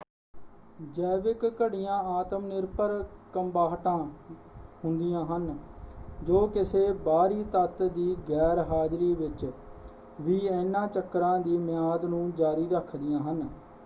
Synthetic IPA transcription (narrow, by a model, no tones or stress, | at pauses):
d͡ʒɛːʋɪkkəɽɪjãːaːt̪əmnɪɾpəɾkəmbaːɦʈãː | hʊnd̪ijãːɦən | d͡ʒoːkɪseːbaːɾiːt̪ət̪d̪iːɡɛːɾɦaːd͡ʒɾiːʋɪt͡ʃ | ʋiːɛːnːãːt͡ʃəkːɾãːd̪iːmɪjaːd̪nũːd͡ʒaːɾiːɾəkʰd̪ɪjãːɦən